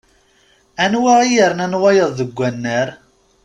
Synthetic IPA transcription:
ænwaijəɾnænwæjəðˤðəɡʷːænːəɾ

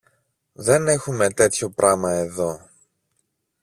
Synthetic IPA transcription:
ðe̞ne̞xume̞t̪e̞t̪ço̞pɾʔɐmɐe̞ðo̞

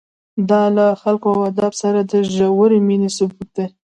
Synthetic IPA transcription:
d̪ɑlaxalkoawad̪ɑbsaɾad̪əʒawəɾeminesʊbut̪̚d̪e

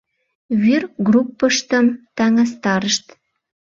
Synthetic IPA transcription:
βyrɡrupːəʃt̪ə̆mt̪ɑŋɑs̬t̪ɑɾəʃt̪

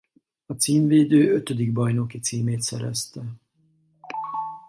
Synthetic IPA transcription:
ɒt̪siːmveːd̪øːøt̪ød̪iɡ̚bɒjno̞kit̪siːmeːt̪sɛɾɛ̰st̪ɛ

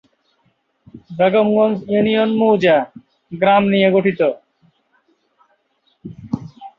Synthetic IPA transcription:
beɡomɡonsjunijonmuːd͡ʑa | ɡɾamnijeɡoʈʰit̪o

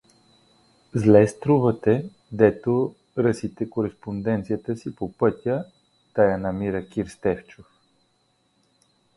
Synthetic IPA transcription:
zlɛst̪ɾuvət̪ɛ | d̪ɛt̪o | ɾəsit̪ɛkoɾɛspond̪ɛnt̪sijət̪əsipopɤt̪ʲə | t̪ajanɐmiɾəkʲiɾst̪ɛft͡ʃof

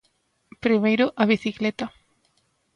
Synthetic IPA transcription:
pɾimejɾʊʔɐβiθiklɛt̪ɐ

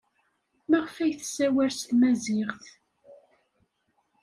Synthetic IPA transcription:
mæʁfæjθsæwæɾst̪mæzɪʁθ

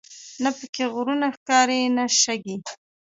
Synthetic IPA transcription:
napəkeɣʊɾunaxkɑɾenaʃaɡi

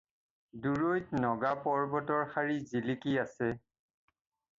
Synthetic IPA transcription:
duɹojtnɔɡapɔɹbɔtɔɹxaɹizilikiasɛ

